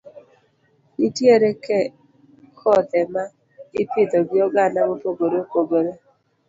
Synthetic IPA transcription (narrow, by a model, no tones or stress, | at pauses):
itjeɾekɛ | kɔt̪ɛma | ɪpɪd̪oɡɪɔɡanaɡopoɡoɾeopoɡoɾe